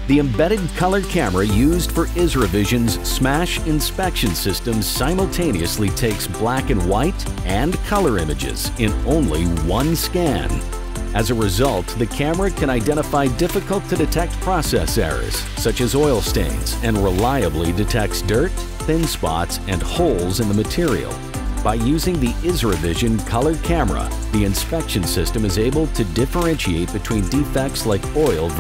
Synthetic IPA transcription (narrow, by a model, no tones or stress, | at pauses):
ðiɨ̃mbɛɾɨd̚kʰʌlˠə˞kʰæmə˞ɨjʉzd̥fə˞ʔɪzɹɨvɪʒɨ̃nz̥smæʃɨ̃nspɛkʃɨ̃nsɪstɨ̃msãɪ̃ml̩ˠtʰẽɪ̃niɨslitʰeɪksb̥lækɨ̃nwaɪɾ | ɨ̃nkʰʌlˠə˞ɪ̃mɨd͡ʒɪ̰z̥ | ɪ̃nõʊ̃nliwʌ̃nskæ̃n | ɨzɨɹɨzʌlˠt̪̚ðɨkʰæmə˞ɨkʰɨ̃ɾ̃aɪdɛ̃ɾ̃əfaɪdɪfɨkəl̩ˠtʰɨdɨtʰɛk̚t̚pʰɹ̥ɑsɛsɛ̰ɹəɨ̰z̥ | sʌt͡ʃɨzɔɪlˠstḛ̃ɪ̃nz̥ɨ̃nɹəlaɪɨblidɨtʰɛk̚tsd̥ɜ˞t̪̚ | θɪ̃nspɑ̰tsɨ̃nhoʊlˠzɨ̃nðəmɨtʰɪɹḭl̩ˠ | b̥aɪjʉzɪ̃ŋðiʔɪzɹɨvɪʒɨ̃nkʰʌlˠə˞d̚kʰæmə˞ə̰ | ðiɨ̃nspɛkʃɨ̃n̩sɪstɨ̃mɨzeɪbl̩ˠtʰɨdɪfə˞ɛ̃nʃieɪt̚b̥ɨtʰw̥ĩndifɛk̚tslaɪkɔɪlˠv